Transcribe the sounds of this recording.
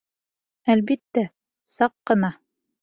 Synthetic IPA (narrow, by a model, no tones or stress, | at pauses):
ælbit̪ːæ | sɑqːɤ̆nɑ